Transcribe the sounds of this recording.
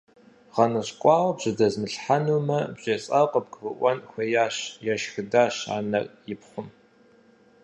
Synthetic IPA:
ʁɐnɨɕkʷʼɑːwɐbʑɨdɐzmɨɬħanuːmɐbʑeːɕʼɐqʼəp̚ɡvɨʔʷɐnxʷejaːɕjaʃxɨdaːɕa̰ːnɐrjɪpχʷʊm

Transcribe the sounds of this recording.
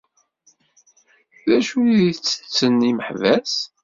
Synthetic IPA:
ðæʃuiðt͡sːə̥t͡sːənːiməħvæs

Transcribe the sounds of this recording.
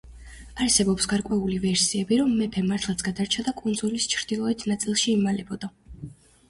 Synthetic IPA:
aɾsɛbɔpsɡaɾkʼwɛulivɛɾsiɛbiɾɔmːɛpʰɛmaɾt̪ʰlˠat̪sʰɡad̪aɾt͡ʃʰad̪akʼund̪zulist͡ʃʰɾd̪̥ilˠɔɛt̪ʰnat̪sʼilˠʃiːmalɛbɔd̪a

